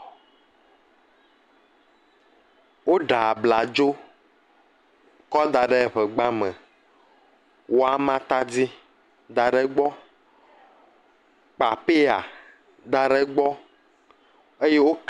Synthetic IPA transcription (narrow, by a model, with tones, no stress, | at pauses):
wo˦ɖa˨bla˨d͡ʒo˦ | kɔ˦d̪a˨ɖe˦˨ɸɛ˨ɡ͡ba˦mɛ̃˨ | wo˦a˨mã˦t̪a˦d͡zi˦ | d̪a˨ɖe˦ɡ͡bɔ˦ | k͡pa˨pe˦a̰˨ | d̪a˨ɖe˦ɡ͡bɔ˦ | e˦je˦wo˦k